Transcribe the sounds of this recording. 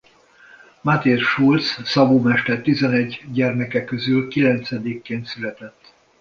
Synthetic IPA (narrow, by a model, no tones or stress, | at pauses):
mat̪eːrʃult̪ssɒbuːmɛʃt̪ɛrt̪izɛnɛɟːɟɛrmɛkɛkːøzylkilɛnt̪sɛd̪ikːeːnt̪sylɛt̪ɛt̪ː